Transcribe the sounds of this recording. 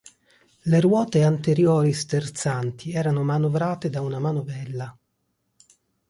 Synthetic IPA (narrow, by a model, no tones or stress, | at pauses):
lerwɔːt̪eant̪eɾjoːɾist̪ert̪sant̪ʰiɛːɾanomanovɾaːt̪ed̪aunamanobɛlːa